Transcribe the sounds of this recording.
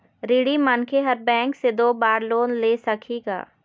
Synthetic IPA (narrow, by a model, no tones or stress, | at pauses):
ɾiːɽimənkʰeɦɐɾbɛ̃ːŋksed̪oːbaːɾloːnleːsɐkʰiːɡa̰ː